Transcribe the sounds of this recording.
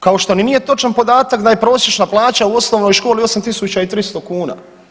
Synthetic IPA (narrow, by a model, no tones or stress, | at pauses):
kao̞ʃt̪o̞ninije̞t̪o̞t͡ʃanpo̞d̪aːt̪akd̪aje̞pɾo̞ːsjet͡ʃnaplˠaːt͡ɕauo̞snoʋno̞jʃko̞ːlio̞samt̪isut͡ɕait̪ɾist̪o̞kuːna̰